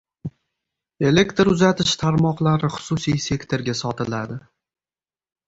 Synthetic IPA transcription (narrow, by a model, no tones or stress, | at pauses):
e̞le̞kt̪ɾʊzat̪ʰɪʃt̪ʰaɾmɒqlˠaɾɪχʊ̥sʊsijse̞kt̪ʰo̞ɾɡʲasɒt̪ɪlad̪ɪ